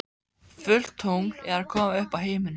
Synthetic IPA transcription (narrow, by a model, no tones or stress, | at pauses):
fʏl̥t̪howŋl̥ɛ̰ɾakʰɔːmaʏhpawɦeːjmɪn